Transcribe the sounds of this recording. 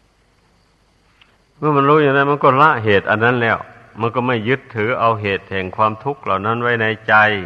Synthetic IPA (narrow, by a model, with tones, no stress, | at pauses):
mɯ˧˥ɐ˨ma˧˥nɾuː˧˥˩ja˧ŋda˧˥˨jma˧˥˨nkɔː˧˥˩la˧˥ʔɦeː˨˩t̪̚ʔa˧nːa˧˥˨nlɛː˧˥˩w | ma˧˥˨nkɔː˧˩ma˧˥˩jːɯ˦˥t̪ʰːɯː˨˦ʔa˧wɦeː˨˩t̪̚hɛː˨˩ŋkʰwaː˧mt̪ʰu˦˥˩k̚la˨wna˧˥˩nwa˧˥˩jna˧˩jt͡ɕa˧j